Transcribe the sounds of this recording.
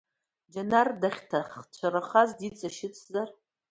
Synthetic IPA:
d͡ʒanardaχʲtʰaχt͡ɕʷʰaɾaχazdit͡sʼaʃɪt͡sʼzar

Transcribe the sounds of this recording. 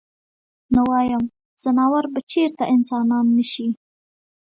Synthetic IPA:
nəwɑjam | z̥ənɑwaɾbat͡ʃeɾt̪aʔɪnsɑnɑnːəʃi

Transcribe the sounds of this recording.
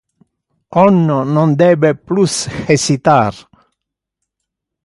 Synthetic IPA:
ɔnːonɔnd̪ɛːbeplusxesit̪aːr

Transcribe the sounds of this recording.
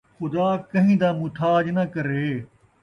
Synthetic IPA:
xʊd̪aːkɐɦĩːd̪aːmʊt̪ʰaːd͡ʒnɐkɐɾeː

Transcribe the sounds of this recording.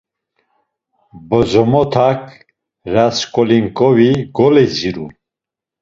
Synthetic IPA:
bɔzɔmɔt̪ʰakʰ | ɾaskʼɔliŋkʼɔviɡɔlɛziɾu

